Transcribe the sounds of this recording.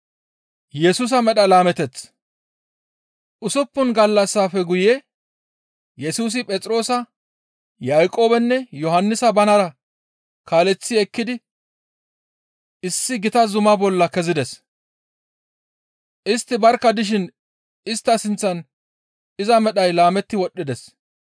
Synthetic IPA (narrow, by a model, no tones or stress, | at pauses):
jɛsus̬ɐmɛɗɐlaːmɛt̪ɛt͡sː | ʔʊsʊpːʊnɡɐlːɐsːaːfɛɡʊjɛ | jɛsuːs̬ɪpʼɛt͡sʼɾo̞ːsɐ | jaːjkʼo̞ːbɛnːɛjɔɦɐnːɪsɐbɐnɐɾɐ | kaːlɛt͡sːɪɛkːɪd̪ɪ | ɪsːɪɡɪt̪ɐzʊmɐbɔlːɐkɛzɪd̪ɛs | ʔɪst̪ːɪbɐɾkːɐd̪ɪʃ̬ɪn | ɪst̪ːɐsɪnt͡sːɐn | ɪzɐmɛɗɐjlaːmɛt̪ːɪwɔɗːɪd̪ɛs